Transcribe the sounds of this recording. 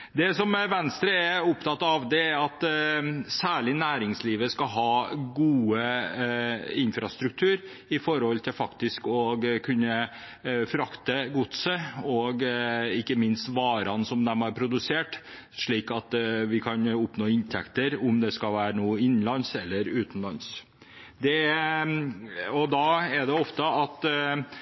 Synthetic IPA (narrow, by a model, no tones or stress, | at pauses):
d̪ɛsɔmʋɛnst̪ɾəæʊpt̪ʰɑt̪ːɑʋd̪ɛæɾɑt̪ | sæːɭɪnæːɾɪŋsliːʋəskɑɦɑːɡuːə | ɪnfɾɑst̪ɾʉk̚t̪ʰʉːɾ | ɪfɔɾəhɔlt̪ʰɪlfɑkt̪ɪskɔɡkʰʉnːə | fɾɑkt̪əɡʊt̪səɔɡɪkːəmɪnst̪ʋɑːɾɑnsɔmd̪ɛmɑɾpʰɾʊd̪ʉseːʈ | ʂɭiːkɑt̪ʋɪkʰɑnʊpnoːɪnt̪ʰɛkt̪əɾʊmd̪ɛskɑʋæːɾənuːɪnːnlɑnsɛlːəɾʉːt̪n̩lɑns | d̪ɛ | ɔd̪ɑɛd̪ɛɔft̪əɑt̪